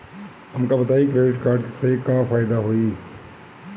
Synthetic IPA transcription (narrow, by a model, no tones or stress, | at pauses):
ɐmkabɐt̪aːikɾeːɖɪʈkaːɾɖsekãːfaːɪd̪aɦoːiː